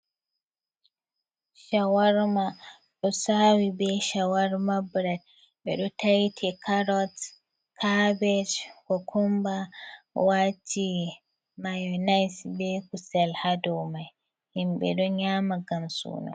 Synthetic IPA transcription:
ʃawaɾma | ɗɔsaːwibɛʃawaɾmabɾad̚ | ɓɛ̰ɗɔtajtʰɛkʰaɾɔt | kʰabɛd͡ʒkɔkʰɔmbawat͡ʃʰːi | majɔnajsbɛkusɛlhadɔwmaj | himɓɛ̰ɗɔɲaːmaɡamsṵːnɔ̰

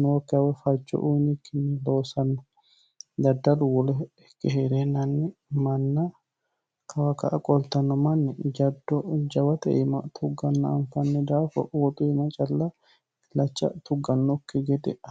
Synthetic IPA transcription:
noːkːɪɐwɛfɐd͡ʒːɔ̰ʔʊjnikːɪnːɛlo̞ːsɐnːɐ | d̪ɐd̪ːɐlʊwɔlɛ | kːɛheːɾenːɐnːɛ | mɐnːɐ | kʰɐwɐkɐʔɐkʼɔlt̪ːɐnːɔmɐnːɛd͡ʒɐd̪ːɔd͡ʒɐwɐt̪ɛ̰ʔɪmɐt̪ʰʊɡːɐnːɐɐ̰mfɐnːɛd̪aːfɐ̰ʔwɔt̪ʼʊɪmɐt͡ʃʼɐlːɐ | lɐt͡ʃːɐ̰t̪ʊɡːɐnːɔkːɪɡɛd̪ɛʔ

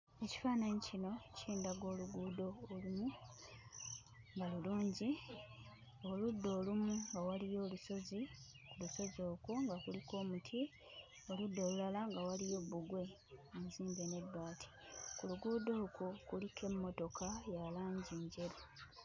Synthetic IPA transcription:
eci̥faːnaɲicino̞ciːndaɡwo̞ːluɡuːdo̞ːlumu | ŋɡaluluːɲɟi | oludːo̞ːlumuŋɡawalijo̞ːluso̞zi | kuluso̞zo̞ːukuŋɡakulikʰo̞ːmutʰi | o̞ludːo̞ːlulalaŋɡawalijo̞βuɡwe̞ | omuziːmbene̞dwaːtʰi̥kuluɡuːdo̞ukukulikʰe̞mːo̞to̞kajalaːɲɟiːɲɟe̞ɾo

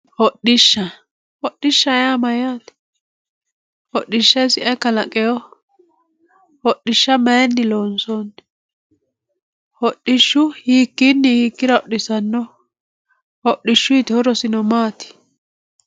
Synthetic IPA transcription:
hɔɗɪʃːɐ | hɔɗːɪʃːɐjaːmɐjaːt̪ | hɔɗːɪʃːɛsɪʔɛkɐlɐkʼɛjɔ | hɔɗɪʃːɐmɐjɛnːɪloːnsɔn | hɔɗːɪʃːʊhiːkːɪnːɪhiːkːɪɾɐɔɗɪsɐnːɔ | hɔʔːɪʃːʊjɪt̪hɔɾɔsɪnɔmaːt̪ɪ̥

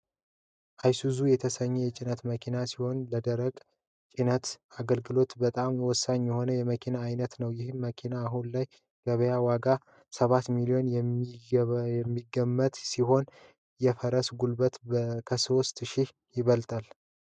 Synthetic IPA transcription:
ʔajsuzujɛt̪ʰəsəɲːɛjɛt͡ʃʼɪnət̪məkʰinasiho̞nləd̪əɾəkʼ | t͡ʃʼinət̪aɡəlɡɨlo̞t̪bət̪ʼamjɛwɔsːaɲjɛho̞nəjɛməkʰinaːjnət̪nəwjɪhɨnməkʰinaːɦunlaj | ɡ̥əβəjawaɡa | səβat̪milijo̞njɛ | jɛmːiɡːəmːət̪siɦo̞n | jɛfəɾəsɡulbət̪bkʰəso̞st̪ʃɪh | jɪβəlt̪ʼal

